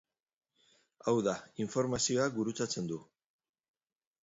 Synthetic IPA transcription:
awðaiɱfo̞ɾmasio̞aɡuɾut͡sat͡se̞nd̪u

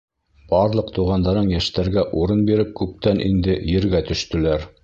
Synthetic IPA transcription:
b̥ɑɾlˠɤqt̪uʁɑnd̪ɑɾɤɴjæʃt̪æɾɡæʔuɾɤnbiɾɘp̚kʉp̚t̪ænʔind̪ɘjɘ̆ɾɡæt̪ɵ̆ʃt̪ɵ̆læɾ

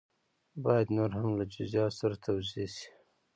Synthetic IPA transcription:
bɑjad̪noɾhamlad͡ʒʊzjɑsaɾat̪ʰawzesi̥

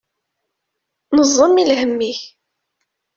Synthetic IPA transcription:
nəzˤːəmilhəmːiç

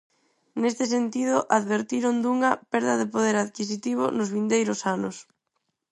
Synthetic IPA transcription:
nest̪ɪsent̪iðʊʔaðβeɾt̪iɾʊnd̪uŋɐpɛɾðɐðɪpoðeɾaðkis̬it̪iβ̞ʊ̰nʊzβind̪ejɾʊsanʊs

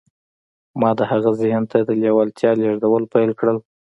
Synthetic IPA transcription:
mɑd̪əhaɣazɪhnt̪ad̪əljawalt̪ʰjɑleʐd̪awəlpajlkɽəl

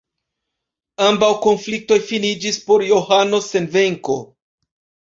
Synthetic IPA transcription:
ambawko̞nflik̚to̞jfinid͡ʒispo̞ɾjo̞hano̞se̞nve̞ŋko̞

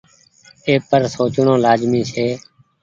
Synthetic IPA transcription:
eːpəɾsoːt͡ʃɳõːlaːzmĩːseː

